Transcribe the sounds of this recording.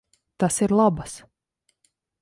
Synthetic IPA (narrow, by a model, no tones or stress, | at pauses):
t̪asiɾlˠabas